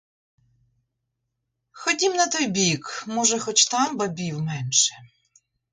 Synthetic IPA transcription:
xɔdʲimnɐt̪ɔjbʲikmɔʒɛxɔt͡ʃt̪ɑmbɐbʲiwmɛnʃɛ̥

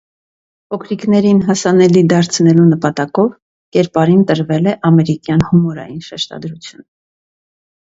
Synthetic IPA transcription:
pʰɔkʰɾiknɛɾinɦɑsɑnɛlid̪ɑɾt͡sʰnɛlunəpɑt̪ɑkɔv | kɛɾpɑɾint̪əɾvɛlɛʔɑmɛɾikjɑnhumɔɾɑ̰jinʃɛʃt̪ɑ̰d̪ɾut͡sʰjun

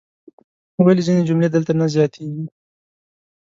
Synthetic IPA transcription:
walizined͡ʒʊmled̪əlt̪anazjɑt̪ʰeɡi

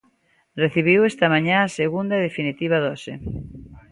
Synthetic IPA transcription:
reθiβ̞iwest̪ɐmãɲãːseɣund̪ɐðefinit̪iβ̞aðɔse

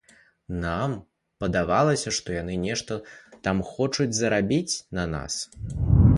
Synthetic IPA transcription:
nam | pɐd̪avalˠɐsʲɐʂt̪ɔjanɨnʲɛʂt̪ɐt̪amxɔt͡ʂud͡zʲzɐɾabʲit͡sʲnɐna̰s

